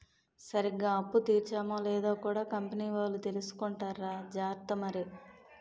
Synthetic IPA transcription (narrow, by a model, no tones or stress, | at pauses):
sɐɾiɡaːɐpːut̪iːɾt͡ʃaːmoːlɛːd̪oːkuːɽaːkɐmpɐniːʋaːlːut̪e̞lusu̥kɔɳʈaːɾaːd͡ʒaːɾt̪ɐmɐɾi